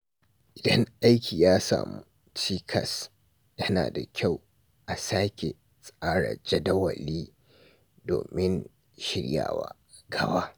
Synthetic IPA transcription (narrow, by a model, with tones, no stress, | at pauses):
ʔɪ˨dɐ˦ŋʔa˦jkʲiː˨jaː˦sa̰ː˨mu˦ | t͡ʃiː˦kʰɐ˨s | jɐ˦na̰ː˨da˨kʲʰa˦˨w | ʔa˨saː˦kʲe˨ | sʼaː˦ɽa̰˨d͡ʒɐ˦dɐ˦wɐ̰˨liː˦ | do̰ː˨mɪ˦n | ʃɪ˦ɽja̰ː˨wa̰ː˦ | ɡɐ˦baː˦